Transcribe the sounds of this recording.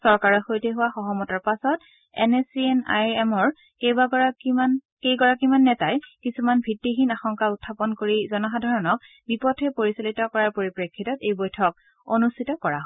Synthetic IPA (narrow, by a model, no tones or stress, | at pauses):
sɔɹkaɹɔxojtɛɦʊwaxɔɦɔmɔtaɹpasɔt | ɛ̰nesiɛna̰jɛmɔɹ | kejbaɡɔakiman | kejɡɔɹakimanːɛtajkisumanbʱɹitːixinaxɔŋkautʰːapɔnkoɹizɔnɔxadʱaɹɔnɔk̚ | bipɔtʰɛpoɹisalitɔkɔɹaɹpoɹipɹekʰːitɔtejbɔjtʰɔk̚ | onustʰitɔkɔɹaɦ